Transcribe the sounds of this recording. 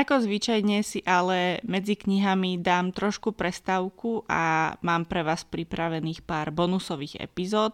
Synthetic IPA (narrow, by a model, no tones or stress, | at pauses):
akɔzʋit͡ʃajɲɛsiʔalɛmɛd͡zikɲiɦamid̪aːmt̪ɾɔʃkupɾɛst̪aʊkuʔa̰maːmpɾɛʋaːspɾipɾaʋɛniːxpaːɾbɔnusɔʋiːɣɛ̰pizɔːt̪̚